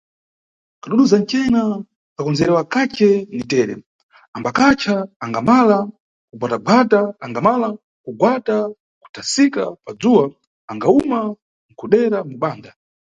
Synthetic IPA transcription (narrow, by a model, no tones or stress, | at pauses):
kaɗuɗuzant͡ʃɛna | kakɔnzɛɾɛwakat͡ʃɛnitɛːɾɛ̰ | ambakat͡ʃʰaːŋɡamala | kuɡwataɡwataːŋɡamala | kuɡwata | ku̥tʰasika̰pad͡zuwa | aŋɡauma | ŋ̩kʰuɗɛɾamuɓaːnda